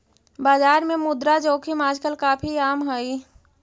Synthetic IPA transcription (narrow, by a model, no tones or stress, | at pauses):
baːd͡ʒaːɾmẽmʊd̪ɾad͡ʒoːkʰimaːd͡ʒkəlkaːpʰiaːmɦəi